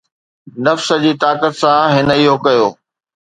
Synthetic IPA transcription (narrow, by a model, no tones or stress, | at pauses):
nɐfsə̆d͡ʑiːt̪aːkət̪sãɦɪnəiɦokɐjoː